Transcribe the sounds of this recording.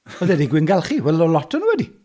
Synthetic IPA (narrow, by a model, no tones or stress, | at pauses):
ɔðɛdiɡwɪnɡalˠχiwɛlˠɔlɔtʰənuwɛdi